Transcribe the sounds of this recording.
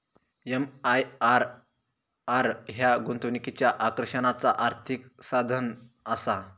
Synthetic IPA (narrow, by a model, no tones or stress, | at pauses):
emajaɾ | aɾɦjaɡunt̪unikit͡ɕjaʔakɾɕənat͡saʔaɾt̪ʰiksad̪ʱənəsa